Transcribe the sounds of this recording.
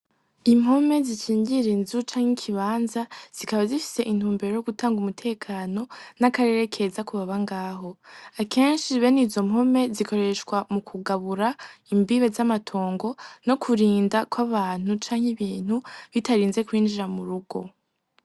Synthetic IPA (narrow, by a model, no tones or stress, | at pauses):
im̥ho̞me̞ziʃiːɲɟiɾenzut͡ʃaːŋ̥hikʰiβaːnzaz̥ikaβazifi̥se̞ʔin̥huːmbe̞ɾo̞joɡutaːŋɡumutʰe̞ːkʰaːno̞nakaɾe̞ɾe̞kʰe̞zakuβaβaŋɡaːɦo̞akʰe̞ːnʃiβe̞nizo̞m̥ho̞me̞zikʰo̞ɾe̞ʃkwamukʰuɡaβuɾaimbiβe̞zamatʰo̞ːŋɡo̞no̞kʰuɾiːndakwaβaːn̥ut͡ʃaːŋhiβiːn̥huβitaɾiːnze̞kwiːnd͡ʒiɾamuɾuɡ̥o̞̰